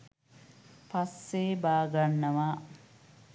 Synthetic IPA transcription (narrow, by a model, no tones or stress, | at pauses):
pasːeːbaːɡanːɐʋaː